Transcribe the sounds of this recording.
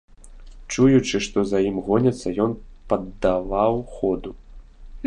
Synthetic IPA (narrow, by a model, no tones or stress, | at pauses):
t͡ʂujut͡ʂɨʂt̪ɔzajimɣɔnʲɐt̪sːɐjɔnpɐd̪ːavawxɔd̪u